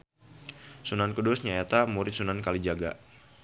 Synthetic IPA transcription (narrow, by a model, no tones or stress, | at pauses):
sunankədʊsɲaet̪amuɾɪt̪̚sunankalid͡ʒaɡa̰